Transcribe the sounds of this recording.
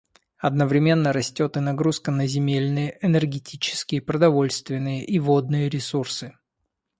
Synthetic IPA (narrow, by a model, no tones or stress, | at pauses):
ɐd̪nəvɾʲɪmʲe̞nːəɾɐsʲtʲo̞t̪ɨnɐɡɾuskənəzʲɪmʲelʲnɨjəʔɛnʲɨrɡʲɪtʲʰit͡ɕɪ̥skʲɪjəpɾəd̪ɐvo̞lʲst̪vʲɪnːɨjəʔivod̪̚nɨjəɾʲɪsursɨ